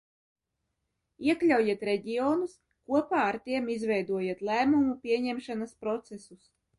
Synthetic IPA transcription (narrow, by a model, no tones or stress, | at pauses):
iɛklʲawjiɛt̪ɾɛɟioːnus | kuɔpaːaɾt̪iɛmizvɛjd̪uɔjiɛt̪lˠæːmumupʲiɛɲɛmʃanaspɾɔt̪sɛsus